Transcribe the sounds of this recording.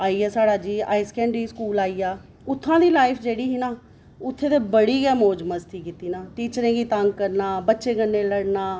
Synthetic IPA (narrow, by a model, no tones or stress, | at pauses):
aːiːaːsaːɽaːd͡ʒiːa̰ːɪskɛ̃ːɳɖɾiːskuːlaːiːaː | ʊt̪ʰːãːd̪iːlaːɪpʰd͡ʒeːɽiːɦiːnaː | ʊt̪ʰːẽːt̪eːbəɽiːɡɛːmoːd͡ʒməst̪ʰiːkɪt̪iːnaːʈiːt͡ʃɾẽːɡiːt̪əŋɡkəɾnaːbətːʃeːɡənːeːləɽnaː